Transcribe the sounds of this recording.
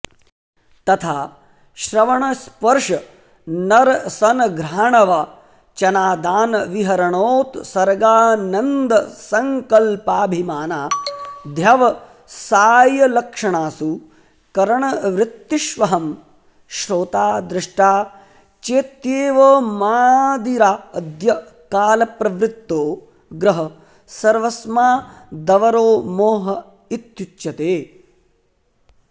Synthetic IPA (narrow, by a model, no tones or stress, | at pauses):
t̪ɐt̪ʰaː | ʃɾɐʋɐɳɐspɐɾʂɐ | nɐɾsɐnɐɡɾaːɳɐʋa | t͡ʃɐnaːd̪aːnɐʋiɦɐɾɐɳoːt̪sɐɾɡaːnɐnd̪ɐsɐŋkɐlpaːbʱimaːnaːd̪ʱjɐʋɐ | saːjɐlɐkʂɐɳaːsu | kɐɾɐɳɐʋɾɪt̪ːiʃʋɐɦɐm | ʃɾoːt̪aːd̪ɾɪʂʈaː | t͡ʃeːt̪jeːʋɐmaːd̪iɾaːɐd̪jɐ | kaːlɐpɾɐʋɾɪt̪ːoː | ɡɾɐɦɐ | sɐɾʋɐsmaːd̪ɐʋɐɾoːmoːɦɐ | it̪jut͡ʃjɐt̪eː